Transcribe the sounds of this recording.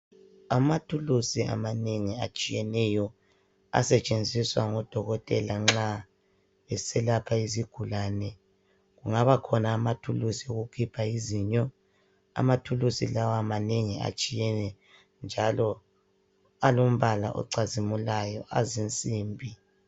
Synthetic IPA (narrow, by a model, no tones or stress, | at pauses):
amatʰulusiʔa̰maneŋia̰t͡ʃʼijɛnɛjɔ | a̰sɛt͡ʃʼend͡zʱiswaŋɔd̥ʱɔɣɔtʼɛlaŋ͡ǁa | ɛsɛlapʰaiziɡ̥ʱulaːnɛ | ɣuŋaβakʰɔnaːmatʰulusioɣukʰipʰaiziɲɔ | a̰matʰulusilawaamaneŋia̰t͡ʃʼijɛnɛ | nd͡ʒʱalɔ | alom̩βala̰ʔɔ̰ǀazimulajɔʔazint͡sʼiːmbʱi